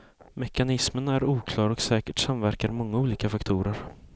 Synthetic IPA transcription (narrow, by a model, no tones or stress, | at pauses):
mɛkanɪsmənæɾuːkʰlɑːɾɔksɛːkəʈsamvæɾkaɾmɔŋːauːliːkafakt̪ʰuːɾəɾ